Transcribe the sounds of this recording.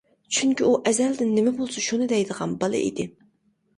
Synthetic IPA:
t͡ʃʰyŋkʲiuʔɛzɛld̪ɪnːɪmɛbolˠsuʃunɨd̪ɛjd̪əʁɑnbɑlˠɨ̰ḭd̪ɪ

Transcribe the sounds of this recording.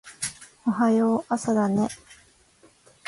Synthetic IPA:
oɦajoʔasad̪ane

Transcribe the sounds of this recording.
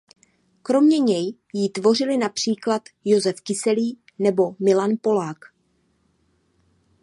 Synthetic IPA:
kɾo̞mɲɛɲɛj | jit̪vo̞r̝ɪlɪnapr̝̥iːklat̪jo̞zɛfkɪsɛliː | nɛbo̞mɪlanpo̞laːk

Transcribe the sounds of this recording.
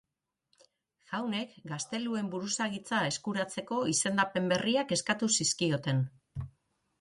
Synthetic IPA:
xawne̞kɡast̪e̞lue̞mbuɾusaɣit͡sae̞skuɾat͡se̞ko̞ise̞nd̪ape̞mbe̞riake̞skat̪usiskio̞t̪e̞n

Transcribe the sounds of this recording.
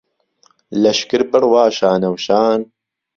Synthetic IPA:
lɐʃkɨɾbɨɾwaːʃaːnɐwʃaːn

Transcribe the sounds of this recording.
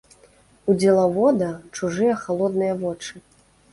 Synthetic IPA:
ud͡zʲɛlˠɐvɔd̪ɐt͡ʂuʐɨjɐxalˠɔd̪̚nɨjɐvɔt͡ʂɨ

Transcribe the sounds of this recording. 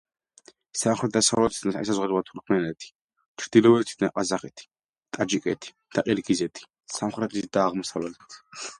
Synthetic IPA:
saχɾɛt̪d̪asavlɛt̪ʰit̪naɛs̬azʁɛd̪ɾɛvat̪ʰuɾkʰmɛnɛt̪ʰi̥ | t͡ʃʰɾd̪ilɔvɛlt̪ʰi̥td̪̥ʰnaqʼazaχɛt̪ʰi̥ | t̪ʼad͡ʒikʼɛt̪ʰi̥d̪̥aqʼɛɾɡizɛt̪ʰi̥ | samχɾɛt̪ʰit̪d̪aːʁmɔsavlɛlʰɛ̥t̪ʰ

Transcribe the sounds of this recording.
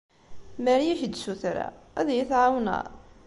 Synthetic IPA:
mæɾjæʃd̪ʃuθɾæ̰ | æðjəθʕawna̰

